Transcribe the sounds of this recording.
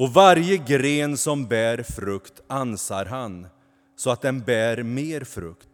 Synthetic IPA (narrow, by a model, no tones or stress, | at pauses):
ɔvaɾjəɡɾeːnsɔmbæːɾfɾɵkt̪ansaɾɦan | sɔat̪̚d̪ɛnbæːɾmeːɾfɾɵ̰kt̪